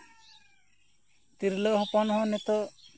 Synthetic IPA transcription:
t̪iɾloɦɔpɔnɦɔ̃nɛt̪ɔ

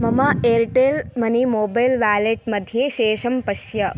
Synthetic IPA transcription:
mɐmɐeːɾʈeːlmɐnimoːbɐjlʋæːleʈ̚mɐd̪ʱjeːʃeːʃɐmpɐʃjɐ

